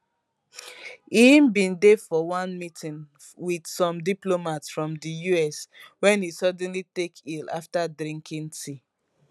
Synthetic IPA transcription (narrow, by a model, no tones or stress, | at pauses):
ĩmbĩndefɔwãnmitʰĩn | widsɔ̃mdiplomatsfɹɔ̃mdijuɛswɛ̃nisɔdɛ̃nlitekʰila̰ftadɹĩŋkʰĩntʰi